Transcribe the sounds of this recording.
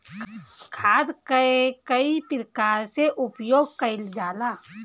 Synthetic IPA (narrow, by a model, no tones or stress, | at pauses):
kʰaːd̪kəekəipɾəkaːɾseʔʊpjoːɡ̚kəɪld͡ʒaːlaː